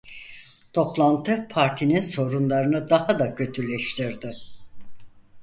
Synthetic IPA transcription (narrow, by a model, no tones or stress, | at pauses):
t̪ʰo̞plˠant̪ʰɯpʰaɾt̪ʰininso̞ɾunlˠaɾɯnɯd̪ahad̪acʰø̞t̪ʰylʲɛʃt̪ʰiɾd̪ɪ